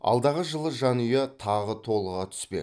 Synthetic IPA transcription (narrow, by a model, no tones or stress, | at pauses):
ɑ̰lˠd̪ɑʁəʒəlˠəʒɑnʏjet̪ʰɑʁət̪ʰo̞lˠəʁɑt̪ʰʏ̥spe̞̰